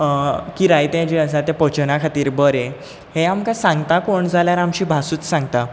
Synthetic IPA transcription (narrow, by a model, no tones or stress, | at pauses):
kiːɾajt̪ẽd͡ʑiəs̬at̪japət͡ɕənakʰat̪iːɾbəɾẽ | heamkasãŋɡt̪akoɳd͡zʱaljaɾamɕiːbʱasuːt͡ssãŋɡt̪a